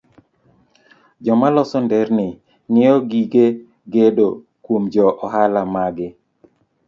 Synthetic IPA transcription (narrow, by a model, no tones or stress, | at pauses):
d͡ʒɔmalɔsɔndɛɾnɪ | ŋɪɔɡiɡe | ɡedo | kwomd͡ʒɔʔɔɦalamaɡɪ